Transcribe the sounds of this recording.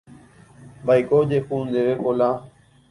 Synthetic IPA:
baikoːd͡ʒeːxuːnd̪eːʋeːkoːlãː

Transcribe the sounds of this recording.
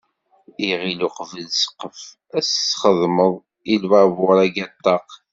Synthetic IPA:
iʁiluqvəlsə̥qːəf | æsːχəðˤməðˤ | ilwævʊɾˤæɡæt̪ˤːɑq

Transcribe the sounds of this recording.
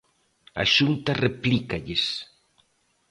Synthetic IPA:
ɐ̰ʃunt̪ɐreplikaʎɪs

